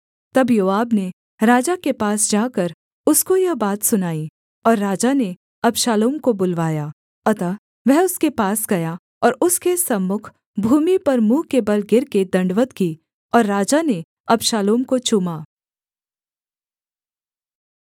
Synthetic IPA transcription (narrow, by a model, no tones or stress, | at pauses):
t̪ɐbjoːaːbne | ɾaːd͡ʒakepaːsd͡ʒaːkɐɾ | ʊskojɐbaːt̪sʊnaːi | ɔːɾːaːd͡ʒane | ɐbʃaːloːmkobʊlʋaːjaː | ɐt̪a | ʋɛɦʊskepaːsɡɐja | ɔːɾʊskesɐmːʊkʰ | bʱuːmipɐɾmũːkebɐlɡɪɾked̪ɐ̃ɳɖʋət̪kiː | ɔːɾːaːd͡ʒane | ɐbʃaːloːmkot͡ʃʊmaː